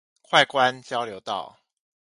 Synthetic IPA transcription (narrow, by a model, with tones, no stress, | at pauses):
kʰwa˥˨ɪkwa˦nt͡ɕjɑ˥ʊljo˧˥ʊt̪ɑ̰˥˩ʊ